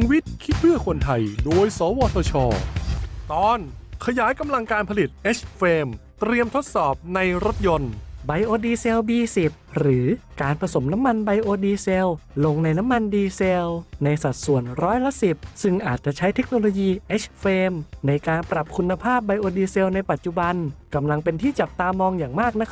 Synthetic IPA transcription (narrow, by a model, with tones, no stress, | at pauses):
ŋwi˦˥t̪̚kʰi˦˥t̪̚pʰɯ˥˩ɐkʰo˧nt̪ʰa˧jdoː˧jsɔː˩˦wɔː˧t̪ʰɔː˧t͡ɕʰɔː˧t̪ɔː˧nkʰa˧jaː˩˦jka˧mla˧ŋkaː˧npʰa˧li˨˩t̪̚ʔeː˦˥t͡ɕfeː˧m | t̪ɾi˧əmt̪ʰo˦˥t̪̚sɔː˨˩p̚na˧jɾo˦˥t̪̚jo˧nba˧jʔoː˧diː˧se˧wbiː˧si˨˩p̚ɾɯː˩˦kaː˧npʰɾa˧so˩˦mna˦˥mːa˧nba˧jʔoː˧diː˧se˧wlo˧ŋna˧jna˦˥mːa˧ndiː˧se˧wna˧jsa˨˩t̪̚su˨˩ənɾɔː˦˥jla˦˥si˨˩p̚sɯ˧˩ŋʔaː˨˩t̪̚t͡ɕa˨˩ʔt͡ɕʰa˦˥jt̪ʰe˦˥k̚noː˧loː˧jiː˧ʔe˦˥t͡ɕfeː˧mna˧jkaː˧npɾa˨˩p̚kʰu˧nːa˧pʰaː˥˩p̚ba˧jʔoː˧diː˧se˧wna˧jpa˨˩t̪̚t͡ɕu˨˩ba˧nka˧mla˧ŋpe˧nt̪ʰiː˥˩t͡ɕa˨˩p̚t̪aː˧mɔː˧ŋjaː˨˩ŋmaː˥˩k̚na˦˥kʰ